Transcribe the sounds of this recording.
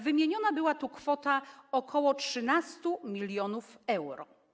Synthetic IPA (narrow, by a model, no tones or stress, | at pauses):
vɘmʲjeɲɔnabɘwat̪ukfɔt̪aɔkʰɔwɔtʂɘn̪ast̪umʲilʲjɔnufɛwɾɔ̰